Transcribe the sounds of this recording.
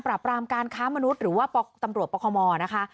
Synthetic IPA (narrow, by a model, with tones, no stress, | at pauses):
npɾaː˨˩pɾaː˧mkaː˧nkʰaː˦˥ma˧nu˦˥t̪̚ɾɯː˩˦waː˥˩pːt̪a˧mɾu˨˩ət̪̚pɔː˧kʰɔː˧mɔː˧na˦˥kʰa˦˥ʔ